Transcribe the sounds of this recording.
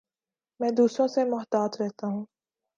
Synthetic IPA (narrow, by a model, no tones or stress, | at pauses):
mɛ̃ːd̪uːsɾõsemʊɦt̪aːt̪ɾɛɦt̪aɦũː